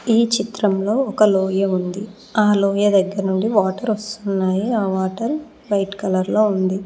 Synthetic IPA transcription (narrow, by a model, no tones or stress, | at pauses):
iːt͡ʃit̪ɾɐmlo̞ːɔkɐloːjɐund̪i | aːloːjɐd̪ɐɡːɐɾɐnuɳɖiʋaːʈɐɾɐst̪unːaːjiaːʋaːʈɐɾ | ʋɐjʈkɐlɐɾlo̞ːund̪i